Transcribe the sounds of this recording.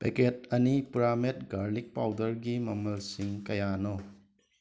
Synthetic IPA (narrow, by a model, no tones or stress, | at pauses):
peketɐnipuɾamet̚ɡaɾlik̚pawdɐɾɡimɐmɐlsiŋkɐjano